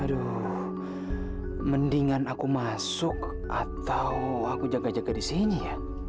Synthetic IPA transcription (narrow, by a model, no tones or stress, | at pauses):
do | məndiŋanakumasʊk | ʔat̪awakud͡ʒaɡad͡ʒaɡadisinija